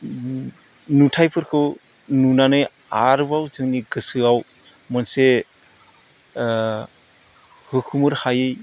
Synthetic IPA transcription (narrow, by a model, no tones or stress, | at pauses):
nutʰajpʰɯɾkʰɯw | nunanɯj | aɾbawzɯŋniɡɯsɯaw | mɔnse | hɯkʰumɯɾhajɯj